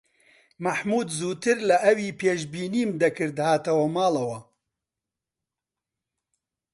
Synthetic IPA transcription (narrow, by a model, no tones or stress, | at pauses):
mɐħmuːd̪zuːt̪ɨɾlɐʔɐwiːpʰeːʃbiːniːmd̪ɐkʰɨɾd̪haːt̪ɐwɐmaːlɐwɐ